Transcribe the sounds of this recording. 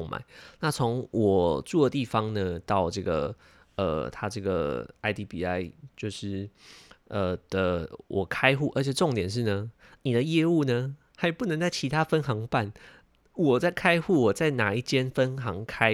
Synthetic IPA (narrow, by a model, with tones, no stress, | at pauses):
ŋma̰˨˩˦ɪna˥˨t͡sʰo˧˥ŋwʔɔ˨˩ʈ͡ʂu˥˩d̪ə˩t̪i˥˩fɑ˦ŋnə˨t̪ɑ˥˧ʊʈ͡ʂɤ˥˩ɡə̰˩ | ə̰˨˩t̪ʰa˥ʈ͡ʂɤ˥˩ɡə̰˩a˧˥ɪt̪i˧˥pi˧a˥ɪt͡ɕjo˥˧ʊʂɻ̩˥˩ʔə˩d̪̥ə˨wʔɔ˨˩kʰa˥ɪxu˥˩ʔə˞˧˥t͡ɕʰjɛ˨˩ʈ͡ʂo˥˨ŋt̪jɛ˨˩nʂ̬ɻ̩˥˩nə˩ | ni˨˩d̪ə˩˦jɛ˥˧u˥˩nə˨ | xa˧˥ɪpu˥˩nə˧˦ŋt͡sa˥˩ɪt͡ɕʰi˧˥t̪ʰa˥fə˦˥nxɑ˧˥ŋpa˥˩n | wɔ˨˩t͡sa˥˩ɪkʰa˥ɪxu˥˩wɔ˨˩t͡sa˥˩ɪna˨˩i˥˩t͡ɕjɛ˦˥nfə˦˥nxɑ˧˥ŋkʰa˥ɪ